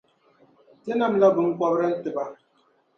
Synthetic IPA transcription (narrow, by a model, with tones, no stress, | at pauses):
te˦na˦m̩˦la˦bʊ˨ŋ̩˦kʷɔ˦bɾa˦n̩˦tɪ˨ba˦